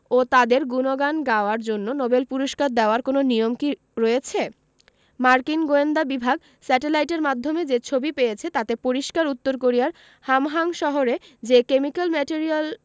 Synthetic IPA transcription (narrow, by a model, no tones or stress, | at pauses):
ot̪ad̪eɾɡunoɡanɡaoaɾd͡ʑonːonobelpuɾoʃkaɾd̪eoaɾkononijomki | ɾojet͡ɕʰe | maɾkinɡoend̪abibʱaɡ | sɛʈelajʈeɾmad̪ʱːomed͡ʑet͡ɕʰobipejet͡ɕʰet̪at̪epoɾiʃkaɾut̪ːoɾk̬oɾijaɾ | hamɦaŋʃɔɦoɾed͡ʑekemikalmɛʈiɾial